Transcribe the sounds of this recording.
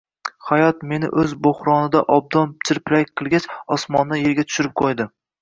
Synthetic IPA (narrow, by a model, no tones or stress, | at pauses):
hajɒt̪me̞nɪ̰ʔɵzboχɾɒnɪd̪aʔɒb̚d̪ɒnt͡ʃʰɪɾpɪɾak̚ʲqʰɨlˠɡʲat͡ʃɒsmɒnːajeɾɡʲat̪ʰʊ̥ʃɪɾɪp̚qʰojd̪ɪ